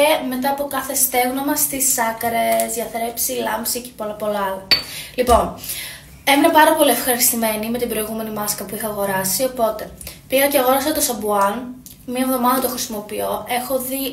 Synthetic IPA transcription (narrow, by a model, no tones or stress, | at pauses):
eme̞t̪ɐːpo̞kɐθe̞st̪e̞ɣnomɐst̪isɐkɾezðʝɐθɾe̞psilɐmpsici̥polɐpo̞lɐɐlɐlipo̞n | emenɐpɐɾɐpo̞lie̞fxɐɾist̪ime̞nime̞t̪ibɾo̞iɣume̞nimɐskɐpuixɐɐɣo̞ɾɐsio̞po̞t̪e̞piɣɐceɐɣo̞ɾɐsɐt̪o̞sɐbuɐn | miɐevðo̞mɐðɐt̪o̞xɾisimo̞pio̞ʔe̞xo̞ði